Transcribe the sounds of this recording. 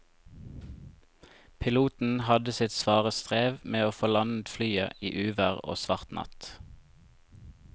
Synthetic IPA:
pʰɪluːt̪n̩hɑd̪əsɪt̪sʋɑːʁəst̪ʁeːʋmeːoːfoːlɑnət̪flyːə̰iːʔʉːʋæʁo̰ːsʋɑʁt̪nʔɑ̰t̪

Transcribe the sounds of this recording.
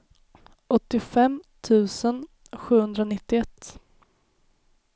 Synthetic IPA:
ʔɔt̪ːɪfɛmt̪ʰʉ̟ːsən | ɧʉ̟ːhɵnd̪ɾanɪt̪ːɪɛt̪ː

